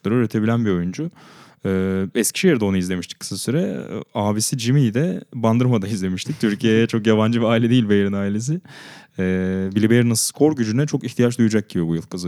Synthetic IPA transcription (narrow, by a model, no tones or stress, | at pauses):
lˠaɾøːɾe̞t̪ʰe̞bilʲænbio̞jund͡ʒu | ɯːɛscʰi̥ʃejeɾd̪o̞naizlʲe̞miʃt̪ʰickːʰɯ̥sasyɾɛ̰aːbisid͡ʒimid̪ɛband̪ɯɾmad̪anizlʲe̞miʃt̪ʰic̚t̪ʰyɾcʰijejɛt͡ʃʰo̞kjaβand͡ʒɯbiaːilʲɛd̪ijilʲbejɾinaːilʲe̞s̬ɪɛbilʲibejɾnasskʰo̞ɾɟyd͡ʒynɛt͡ʃʰo̞kiçt̪ʰijat͡ʃd̪ujud͡ʒac̚ɟibibujɯlˠkʰɯzɯ